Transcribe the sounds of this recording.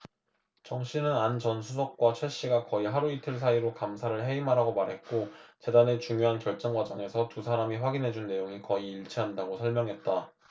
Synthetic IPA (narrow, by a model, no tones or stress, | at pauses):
t͡ɕʌŋɕʰinɯnand͡ʑʌnsʰusʰok̚k͈wat͡ɕʰweɭɕ͈iɡakʌiɦaɾuitʰɯɭs̬ʰaiɾokamsʰaɾɯɭɦe̞imɦaɾaɡomaɾɦe̞t̚k͈ot͡ɕe̞dane̞t͡ɕuŋjoɦankjʌɭt͡ɕ͈ʌŋɡwad͡ʑʌŋe̞sʰʌtusʰaɾamiɸwaɡinɦe̞d͡ʑunːe̞joŋikʌiːɭt͡ɕʰiɦandaɡosʰʌɭmjʌŋɦe̞t̚t͈a